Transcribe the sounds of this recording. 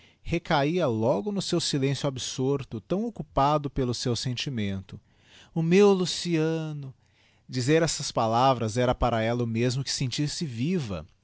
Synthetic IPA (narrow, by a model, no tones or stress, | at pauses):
hekaiɐlɔɡʊnʊsewsilẽsjʊabsoɾt̪ʊt̪ɐ̃w̃okupad̪ʊpelʊsewsẽnt͡ʃimẽnt̪ʊ | ʊmewlusiɐ̃nʊ | d͡ʒizeɾɛsɐspalavɾɐzɛɾɐpaɾɐɛlɐʊmezmʊkɪ̥sẽnt͡ʃiɾsɪvivɐ̰